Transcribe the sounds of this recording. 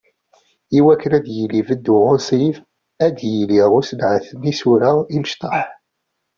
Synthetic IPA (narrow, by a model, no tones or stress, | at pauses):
iwækːəɾæd̪jəlːivəd̪ːuʁʊsˤiv | æd̪jəliʁʊsənʕəθnisuɾəiməʃt̪ˤɑħ